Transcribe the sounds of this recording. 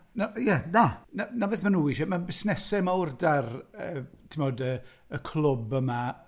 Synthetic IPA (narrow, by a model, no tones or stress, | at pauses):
najɛnananabeðmanuːiʃɔmabɪsnɛsɛmaʊrdarətʰɪmɔːdə | əkʰlˠʊbəma